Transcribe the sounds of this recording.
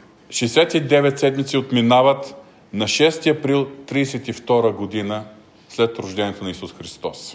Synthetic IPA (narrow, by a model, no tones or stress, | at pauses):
ʃɛːsɛt̪id̪ɛvɛt̪sɛd̪mit̪siot̪minavət̪ | nɐʃɛst̪iɐpɾilˠt̪ɾiːsɛt̪ift̪ɔɾəɡod̪inə | slɛt̪ɾʊʒd̪ɛniɛt̪onɐisusxɾist̪ɔs